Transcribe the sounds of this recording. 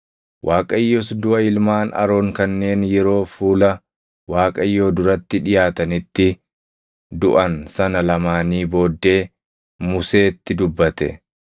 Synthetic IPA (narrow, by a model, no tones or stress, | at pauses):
wʔaːkʼɐɪjːoːsd̪ʊʔɐɪlmaːnɐ̰ɾo̞ːŋkɐnːe̞ːnjɛɾo̞ːfuːlɐ | waːkʼɐjːoːd̪ʊɾɐt̪ːɪᶑɪjaːt̪ɐnɪt̪ːɪ | d̪ʊʔɐnsɐnɐlɐmaːniːbo̞ːd̪ːe̞ː | mʊse̞ːt̪ːɪd̪ʊbːɐt̪ɛ̰